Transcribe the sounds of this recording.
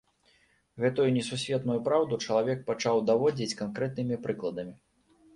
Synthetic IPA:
ɣɛt̪ujunʲɛsusʲvʲɛt̪nujupɾawd̪ut͡ʂɐlˠavʲɛk̚pat͡ʂawd̪avɔd͡zʲit͡sʲkankɾɛt̪nɨmʲipɾɨklˠɐd̪ɐmʲi

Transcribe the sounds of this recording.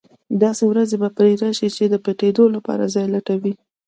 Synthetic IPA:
d̪ɑsewɾazebapɾeɾaʃit͡ʃed̪əpeʈed̪olapɑ̰ɾazɑjlaʈawi

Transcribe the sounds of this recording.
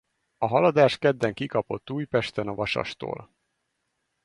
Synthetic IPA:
ɒɦɒlɒd̪aːʃkɛd̪ːɛŋkikɒpo̞t̪ːuːjpɛʃt̪ɛnɒvɒʃɒ̰ʃt̪o̰ːl

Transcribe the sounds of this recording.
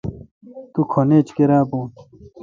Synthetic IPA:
t̪ukʰoneːt͡ɕkeɾaːbuːn

